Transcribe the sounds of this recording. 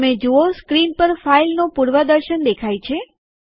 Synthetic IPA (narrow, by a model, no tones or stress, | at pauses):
med͡ʒuoskɾinpəɾfailnopuɽʋad̪əɾʃənd̪ekʰajt͡ʃʰe